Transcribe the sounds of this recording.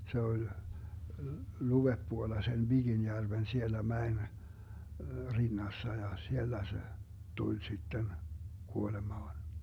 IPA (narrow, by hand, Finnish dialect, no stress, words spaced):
se olʲ luʋepːuolːɑ sen ʋiɡ̊injærʋen sielːæ mæen rinːɑsːɑ jɑ sielːæ se tulʲ sitːen kuolemɑːn